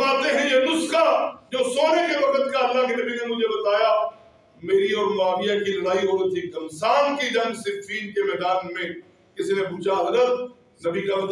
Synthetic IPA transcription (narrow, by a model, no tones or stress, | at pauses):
maːt̪ẽɦɛ̃jenʊskad͡ʒoːsoːnekeʋɐkət̪kaɐlːakenɐbʱinẽmʊd͡ʒʱebɐt̪aːja | meːɾiɔːɾmaːmɪjakilɐɽaːiɦoːɾɐt̪ʰikɐmsaːnkid̪ɐ̃nnsɪfʰiːnkemɛɦd̪aːnmẽ | kɪsinẽbuːt͡ʃaɐzɾət̪̚ | zɐbikamt̪